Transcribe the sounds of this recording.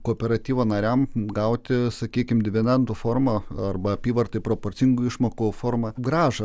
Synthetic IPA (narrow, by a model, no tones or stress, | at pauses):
koːpʲɛɾɐt̪ʲiːʋɐːnɐɾʲɛmɡɐʊt̪ʲɪsɐkʲiːkʲɪmd̪ʲɪʋʲɛnʲɛnt̪ufoːrmɐɐrbɐɐpʲiːʋɐrt̪ɐɪpɾoːpoːɾʲt͡s̪ʲɪŋɡʊɪʃmoːkʊfoːɾmɐɡɾɑːʒɐ